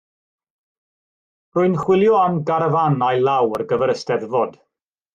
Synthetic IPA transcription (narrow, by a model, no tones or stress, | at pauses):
rʊɨnχwɪlˠjɔamɡaɾəvanajlˠawərɡəvɛɾəstɛðvɔd̥